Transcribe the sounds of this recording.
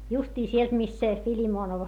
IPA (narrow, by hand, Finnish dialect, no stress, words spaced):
justiː sielt mist se filimoːnoʋ